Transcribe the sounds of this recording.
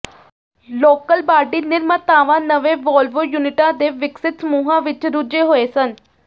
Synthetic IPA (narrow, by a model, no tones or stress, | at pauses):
loːkəlbaːɖiːnɪɾmət̪aːʋãːnəʋẽːʋɔːlʋoːjuːnɪʈãːd̪eːʋɪksɪt̪səmuːɦãːʋɪt͡ʃɾʊd͡ʒeːɦoːeːsən